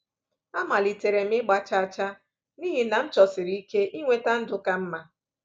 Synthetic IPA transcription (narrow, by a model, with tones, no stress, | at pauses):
a˦ma˨li˨te˨ɾe˨m̩ɪ˦ɡ͡ba˨t͡ʃa˦a˨t͡ʃa˦ | ni˦ɦi˨na˨m̩˦t͡ʃɔ˨sɪ˨ɾi˦i˦ke˦ʔi˦ŋʷe˦ta˦n̩˦dʊ˦ka˦m̩˦ma˦